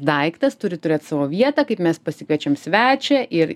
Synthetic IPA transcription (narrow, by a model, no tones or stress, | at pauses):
d̪ɐɪkt̪ɐst̪ʊɾʲɪt̪ʊɾʲeːt̪sɑːʋoːʋʲiɛt̪ɑːkɐɪpmʲɛspɐsʲɪkɐt͡ʃʲɛmsʲʋʲæːt͡ʃʲɛʔɪɾ